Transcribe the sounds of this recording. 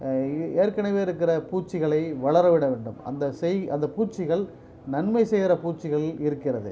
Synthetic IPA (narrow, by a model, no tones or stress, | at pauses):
eːɾkɐnɐʋeːɪɾɯkːɪrɐpuːʈt͡ʃːɪɣɐɭɐɪʋɐɭɐɾɐʋɪɽɐʋeːɳɖɯmɐ̰nd̪ɐsɛjɐnd̪ɐpuːt͡ʃːɪɣɐɭ | nɐnmɐɪsɛjɾɐpuːʈt͡ʃːɪɣɐɭɪɾɯkːɪrɐðɯ̰